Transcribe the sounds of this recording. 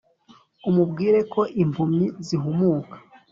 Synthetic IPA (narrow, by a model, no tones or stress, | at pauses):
umubɡiːɾe̞kʰo̞ʔimpʰumiziɦumuːkḁ